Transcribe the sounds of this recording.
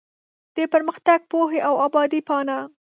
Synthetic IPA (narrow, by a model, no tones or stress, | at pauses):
d̪̥əpəɾməxt̪aɡ̚poɦeʔawɑbɑd̪ipɑna